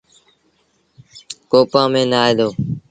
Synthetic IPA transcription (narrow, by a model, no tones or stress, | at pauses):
koːpãːmẽːnaːeːd̪oː